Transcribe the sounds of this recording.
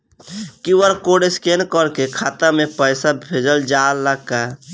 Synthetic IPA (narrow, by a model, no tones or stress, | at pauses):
kiwəɾkoɖeskenkəɾkekʰaːt̪amẽpəɪsabʱed͡ʒəld͡ʒalːəɡka